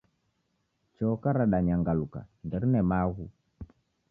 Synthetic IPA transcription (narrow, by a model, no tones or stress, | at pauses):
t͡ʃɔkaɾaɗaɲaŋɡaluka̰ndɛɾinɛmaɣu